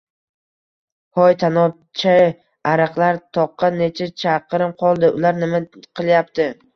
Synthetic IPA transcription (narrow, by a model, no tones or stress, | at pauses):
hɒjt̪ʰanɒ | t͡ʃʰa | aɾɨqlˠaɾt̪ʰɒqːɑnːe̞t͡ʃʰat͡ʃʰaqɾɪnqʰɒlˠd̪ɪʊlaɾnɪmaqʰɨlˠjap̚t̪ɪ